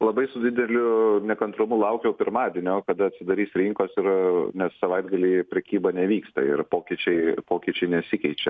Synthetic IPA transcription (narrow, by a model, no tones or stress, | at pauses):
lˠɐbɐɪsʊd̪ʲɪd̪ʲɛlʲʊnʲɛkɐnt̪ɾʊmʊlˠɐʊkʲjɛʊpʲɪɾmɑːd̪ʲeɛnʲokɐd̪ɐɐtʲsʲɪd̪ɐɾʲiːsɾʲɪŋkoːsɪɾnʲɛssɐʋɐɪd̪ɡɐlʲiːpʲɾʲɛkʲiːbɐnʲɛʋʲiːkst̪ɐ̰ɪ̰rpoːkʲit͡ʃʲɛɪpoːkʲit͡ʃʲɛɪnʲɛsʲɪkʲɛɪt͡ʃʲɛ̰